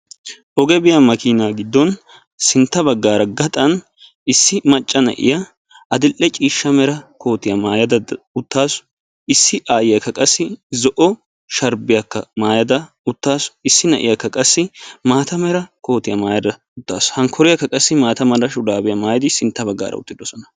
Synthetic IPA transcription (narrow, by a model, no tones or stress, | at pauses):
ʔɔɡɛbɪjɐmɐkʰinaːɡɪd̪ːɔn | sɪnt̪ːɐbɐɡːaːɾɐɡɐt̪ʼɐn | ɪsːɪmɐt͡ʃʼːɐnɛ̰ʔɪ̰jɐ | ɐd̪ɪlʔːɛt͡ʃʼiːʃːɐmɛɾɐkʰo̞ːt̪ɪjɐmaːjɐd̪ɐ | ʊt̪ːaːs | ɪsːɪʔaːjɪjɐkːɐkʼɐsːɪzɔʔɔ | ʃɐɾbɪjɐkːɐ̰maːjɐd̪ɐ | ʊt̪ːaːsɪsːɪnɛ̰ʔɪjakːɐkʼɐsːɪmaːt̪ɐmɛɾɐko̞ːt̪ɪjɐmaːjɐd̪ɐ | ʊt̪ːa̰ːshɐŋkʰɔɾɪjɐkːɐkʼɐsːɪmaːt̪ɐmɐlɐʃʊd̪aːbɪjɐmaːjɐd̪ɪsɪnt̪ːɐbɐɡːa̰ːɾɐ̰ʊ̰t̪ːɪd̪ɔsɔnɐ̥